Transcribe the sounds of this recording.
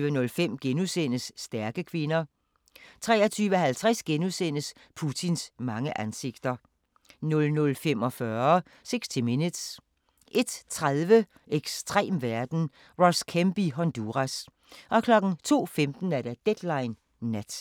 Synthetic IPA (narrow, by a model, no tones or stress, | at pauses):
ʋənɔ̽lfem̰ɡ̥enusen̰əsːd̥æɐɡ̥əkʰʋe̝nɐ | t͡sʰʁɛ̰ːɐt͡sʰyːʋəhælt͡sʰʁɛsɡ̥enusen̰əs | pʰut͡sʰinsmɑ̈ŋəʔænse̝ɡ̥d̥ɐ | nɔ̽lnɔ̽lfem̰ɒ̽fɶɐ | seɡ̥st͡sʰiminəd̥s | ʔe̝d̥t͡sʰʁaðˠʋə | ʔeɡ̥sd̥ʰʁɛ̰ːmʋæɐd̥n̩ | ʁɒskʰemb̥iɦɒ̽nd̥uʁæs | ʔɒ̽kʰlɒ̽ɡ̥n̩t͡sʰo̝̰ːfemd̥n̩æɐd̥æd̥ed̥lɑ̈ɪnː | æd̥